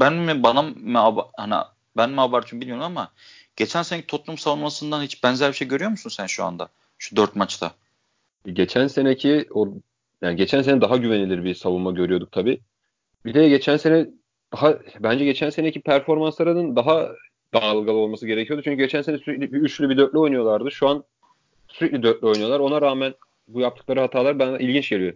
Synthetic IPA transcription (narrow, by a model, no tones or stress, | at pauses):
bænmibanamːabahanḭ | bænmabaɾt̪ʰymbilʲmijoɾumama | ɟ̥e̞t͡ʃʰænse̞necʰi̥t̪ʰo̞plˠumsavunmasɯnd̪anhit͡ʃbænzæɾbiʃejɟøɾyjo̞musunsænʃua̰nd̪a̰ | ʃud̪øɾt̪mat͡ʃt̪ʰa̰ | ɛɟe̞t͡ʃʰænse̞necʰio | jaːniɟe̞t͡ʃʰænseɛd̪aɦaɟyvenilʲiɾbisavunmaɟø̞ɾyjo̞d̪uk̚t̪ʰabiː | bid̪ejɛɟe̞t͡ʃʰænse̞nɛ | d̪̥aɦabænd͡ʒɛɟe̞t͡ʃʰænse̞ne̞cʰipʰæɾfo̞ɾmanslˠaɾɯnɯnd̪aɦa | d̪aːlˠɡalˠɯo̞lˠmasɯɟeɾe̞cʰijo̞d̪ut͡ʃʰyɲcʰyɟe̞t͡ʃʰænse̞nɛsyɾɛclʲbiyt͡ʃlʲybid̪øɾt̪lʲio̞jnujo̞lˠaɾd̪ɯʃuan | syɾɛclʲid̪øɾt̪̚lʲo̞jnujo̞lˠaɾo̞naɾaːmæn | bujapt̪ɯklˠaɾɯɦat̪ʰaːlˠaɾbæna̰ʔilʲɟint͡ʃɟe̞lijo̞